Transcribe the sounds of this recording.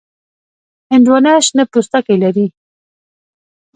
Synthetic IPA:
ɪndwanaʃnapust̪akajlaɾi

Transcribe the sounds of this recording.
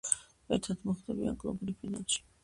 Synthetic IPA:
ɛɾt̪ʰat̪ʰmɔχd̪ɛbia̰ɡʼlˠɔbɾipʰinansi̥

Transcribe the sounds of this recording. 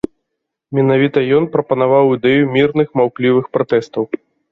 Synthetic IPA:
mʲɛnavʲit̪ɐjɔnpɾɐpɐnavawid̪ɛjumʲirnɨxmawklʲivɨxpɾat̪ɛst̪ɐw

